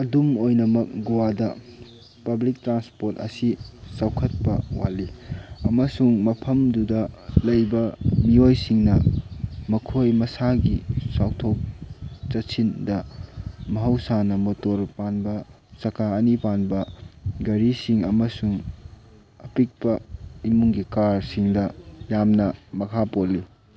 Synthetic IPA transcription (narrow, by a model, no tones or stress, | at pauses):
ɐdumojnɐmɐk̚ɡuwadɐ | pɐblik̚tɾanspoɾtɐ̰sisawkʰɐt̚pɐwaliɐmɐsuŋmɐpʰɐmdudɐlɐjbɐmiojsiŋnɐmɐkʰojmɐsaɡisawtʰok̚t͡ʃɐtsʰindɐ | mɐɦɐwsanɐmotoɾpanbɐ | sɐkʰaɐnipanbɐɡɐɾisiŋɐmɐsuŋ | ɐpik̚pɐimuŋɡikaɾsiŋdɐjamnɐmɐkʰapolːi